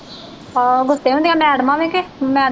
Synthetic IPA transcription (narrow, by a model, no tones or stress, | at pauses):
ɡʊst̪eːɦõːd̪jãːmɛ̃ːəɽmãːʋẽːkeːmɛ̃ː